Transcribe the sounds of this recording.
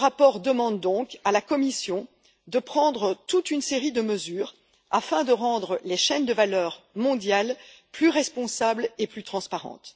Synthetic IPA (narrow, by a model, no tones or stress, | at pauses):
əʁapɔʁd̪əmɑ̃d̪d̪ɔ̃kalakɔmisjɔ̃ | d̪əpχɑ̃d̪ʁət̪ut̪ynseʁid̪əməzyːʁ | a̰fɛ̃d̪əʁɑ̃d̪ʁəleʃɛnd̪əvalœːʁmɔ̃d̪jalplyʁɛspɔ̃sableplyt̪χɑ̃spaʁɑ̰̃t̪